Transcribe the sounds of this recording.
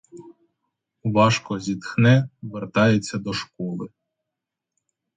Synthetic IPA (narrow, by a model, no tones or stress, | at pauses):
ʋɑʃkɔzʲit̪xnɛʋert̪ɑjet͡sʲːɐd̪ɔʃkɔlˠɪ